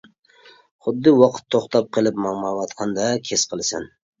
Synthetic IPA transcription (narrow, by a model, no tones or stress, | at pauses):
χʊd̪ːɨwɑqʰɨ̥t̪ʰːoχt̪ʰɑp̚qʰɨlˠɪpmɑmɑwɑt̪qʰɑnd̪akʲʰesqʰɨlˠsɪn